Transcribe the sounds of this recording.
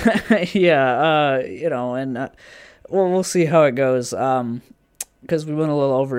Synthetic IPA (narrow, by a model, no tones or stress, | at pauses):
jæʌjɨnoʊɨ̃nʌwɛlˠwilˠsiɦaʊɨt̚ɡ̥oʊz̥ʌ̃m | kʰʌzwiwɛ̃ntəlɪɾl̩ˠoʊvə